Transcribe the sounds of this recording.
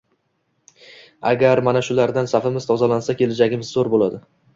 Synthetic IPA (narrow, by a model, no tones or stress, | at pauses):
a̰ɡʲaɾmanaʃʊlaɾd̪ansafɪmɪzt̪ʰɒzalansakʲe̞lad͡ʒaɡʲɪmɪzːoɾbolad̪ɪ